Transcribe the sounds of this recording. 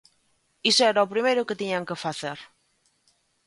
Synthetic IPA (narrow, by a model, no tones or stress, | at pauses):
isoɛɾaopɾimejɾʊket̪iɲaŋkefaθeɾ